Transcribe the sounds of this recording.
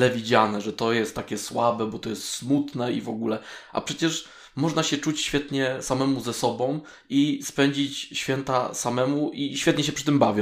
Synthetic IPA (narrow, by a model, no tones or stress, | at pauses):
lɛvʲid͡ʑanɛʐɛt̪ɔjɛst̪ːakʲɛswabɛbɔt̪ɔjɛst̪smut̪nɛivɔɡulɛʔa̰pʂɛt͡ɕɛʂ | mɔʐnaɕɛt͡ʂut͡ɕɕfʲjɛt̪ɲɛsamɛmuzɛsɔbɔ̃w̃ | ispɛɲd͡ʑit͡ɕɕfʲjɛnt̪a̰samɛmuʔiɕfʲɛt̪ɲɛɕ̬ɛpʂɘt̪ɘmbavʲj